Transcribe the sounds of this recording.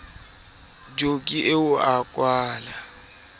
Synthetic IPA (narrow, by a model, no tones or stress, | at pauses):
d͡ʒokʼiʔeʊakʼwaːla